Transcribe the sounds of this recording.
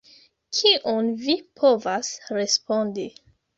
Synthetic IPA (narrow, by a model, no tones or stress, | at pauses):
kʰiʔonvipʰo̞vasɾe̞spo̞ndi